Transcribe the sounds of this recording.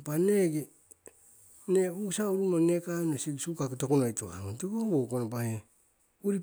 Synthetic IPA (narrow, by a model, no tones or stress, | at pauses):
paneɡi | neusauɾumonekanesiɡsukaketokonojtoa̰utiɡobokonopahe | uɾip